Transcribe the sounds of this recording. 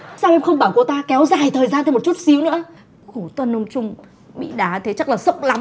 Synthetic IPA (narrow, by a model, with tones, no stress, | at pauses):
saː˧wʔɛ˧mxə˧wŋ͡mɓaː˧˩wku˧˩ət̪aː˧kɛ˨˦wzaː˨˩jt̪ʰəː˨˩zaː˧t̪ʰm˨˩t̚t͡ɕu˦˥t̚si˨˦əwnɨ̰˧˥ə | xo˧˩t̪wə˧nːo˧wŋ͡mt͡ɕʊ˧ŋ͡m | ɓḭ˧˨ɗaː˨˦t̪ʰe˨˦t͡ɕa˦˥k̚laː˨˩sə˦˥wk͡p̚la˨˦m